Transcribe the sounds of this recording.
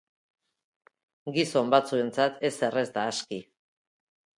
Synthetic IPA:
ɡiso̞mbat͡sue̞nt͡sat̪e̞se̞re̞zd̪aːski

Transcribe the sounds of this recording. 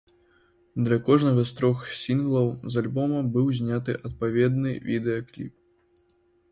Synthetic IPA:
d̪lʲɐkɔʐnɐɣɐst̪ɾɔxsʲinɣlˠɐwzalʲbɔmɐbɨwzʲnʲat̪ɨʔɐt̪̚pavʲɛd̪nɨvʲid̪ɛjɐklʲḭp̚

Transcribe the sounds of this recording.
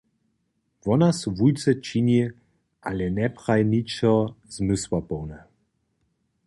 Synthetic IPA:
vɔnasvujt͡sɛt͡ʃiɲʲi | ʔalɛnɛpχajnʲit͡ʃɔz̥mɘswapɔwnɛ

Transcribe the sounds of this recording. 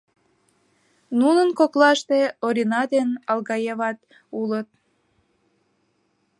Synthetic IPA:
nunənkoklɑʃt̪eoɾinɑd̪enɑlɣɑjeβɑt̪ | ulət̪̚

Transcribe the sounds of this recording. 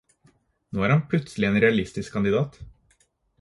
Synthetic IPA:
noːæːɾɑnpʰlʉt̪slɪeːnɾɛɑlɪst̪ɪskʰɑnd̪ɪd̪ɑːt̪

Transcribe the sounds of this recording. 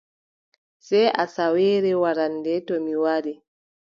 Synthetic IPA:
sɛjʔasawɛːɾɛwaɾandɛtɔmiwaɾi

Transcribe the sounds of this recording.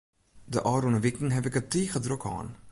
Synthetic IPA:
dəʔɑːɾonəʋɪkn̩ɦɛpɪkətiːɣədrokʰɑ̰ːn

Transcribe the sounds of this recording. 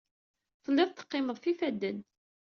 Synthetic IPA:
θəlːɪðˤt̪ːə̥qːɪməðˤθifæd̪ːən

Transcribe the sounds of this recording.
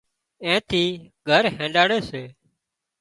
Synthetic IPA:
ẽːt̪ʰiːɡʱəɾɦẽːɳɖaːɽeːseː

